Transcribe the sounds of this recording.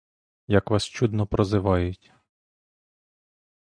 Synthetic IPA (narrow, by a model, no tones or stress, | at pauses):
jɐkʋɑst͡ʃud̪nɔpɾɔzɪʋɑjʊtʲ